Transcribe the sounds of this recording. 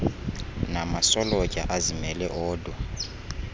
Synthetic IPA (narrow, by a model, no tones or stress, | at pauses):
namasɔlɔt͡ʃʼa̰ʔazimɛlɛʔɔːdɔ